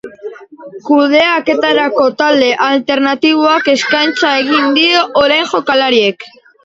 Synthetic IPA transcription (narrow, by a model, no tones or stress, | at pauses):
kuð̞e̞ake̞t̪aɾako̞t̪ald̪e̞ʔalt̪e̞ɾnat̪iβ̞oake̞skajnt͡sae̞ɣ̞ind̪io̞ʔoɾajnʝo̞kalaɾie̞k